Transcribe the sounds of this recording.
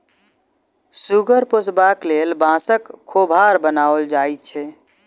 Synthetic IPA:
suɡəɾposbaklelbãsəkʰːobʱaɾbənaəld͡ʒajt̪t͡ʃʰɛ

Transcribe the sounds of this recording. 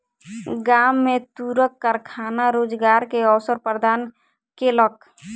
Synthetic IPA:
ɡamːet̪uɾəkːəɾkʰanaɾod͡ʒɡaɾkeɔwsəɾpəɾd̪an | kelək̚

